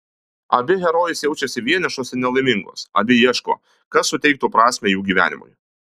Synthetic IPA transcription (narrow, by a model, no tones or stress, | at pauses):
ɐ̰bʲɪɣʲɛɾoːjɪsjɛʊt͡ʃʲɛsʲɪʋʲiɛnʲɛʃoːsɪɾnʲɛlˠɐɪmʲɪŋɡo̰ːsɐ̰bʲɪjiɛʃko̰ː | kɐsːʊt̪ʲɛɪk̚t̪uːpɾɑːsʲmʲɛjuːɡʲiːʋʲæ̰ːnʲɪ̰mʊ̰j